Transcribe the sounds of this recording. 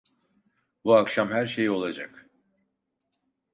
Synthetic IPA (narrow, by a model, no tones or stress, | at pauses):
buakʃamhæɾʃe̞jio̞lˠad͡ʒak